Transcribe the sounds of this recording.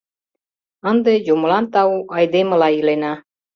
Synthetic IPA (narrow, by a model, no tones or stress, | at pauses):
ənd̪ejumlˠɑnt̪ɑuʔɑjd̪emɤ̆lɑjilenɑ